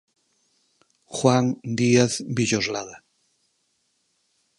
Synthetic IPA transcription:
xwand̪iaθbiʎozlaða

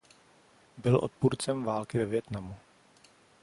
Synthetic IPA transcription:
bɪlʔo̰t̪̚puɾt͡sɛmvaːlkɪvɛvjɛt̪namu

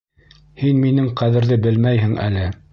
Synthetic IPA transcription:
hinminɘɴqæðɘ̆ɾðɘbɘlmæjɦɘŋʔæ̰lɘ

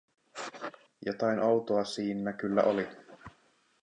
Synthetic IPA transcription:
jot̪ɑjnʔowt̪oɑsiːnːækylːæ̰ʔoli

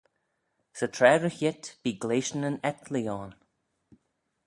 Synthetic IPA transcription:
sətʰɾɛːɹəçɪt̪b̥iːɡleːʃənənɛt̪ʰliɔːn

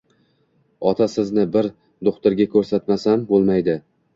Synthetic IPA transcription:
ɒt̪ʰasɪznɪbɪɾ | d̪oχt̪ʊɾɡʲakʰɵɾsat̪masambolˠmajd̪ɪ

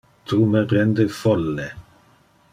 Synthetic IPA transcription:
t̪umepɾɛnd̪efɔlːe

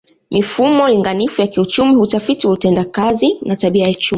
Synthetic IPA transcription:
mifumɔliŋɡanifujakiut͡ʃumihutafitiwautɛndakazinataɓiajaut͡ʃum

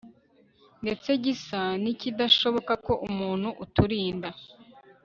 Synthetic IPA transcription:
nde̞t͡se̞ɟisanicidaʃo̞βo̞kako̞ʔumuːn̥huʔutuɾiːnda

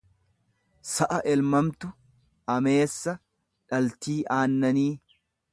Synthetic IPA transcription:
sɐʔɐʔɛlmɐmt̪ʊ | ʔɐme̞ːsːɐ | ᶑɐlt̪iːʔaːnːɐniː

